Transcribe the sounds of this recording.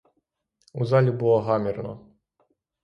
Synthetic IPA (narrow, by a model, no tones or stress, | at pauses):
uzalʲibulˠɔɦamʲirnɔ̰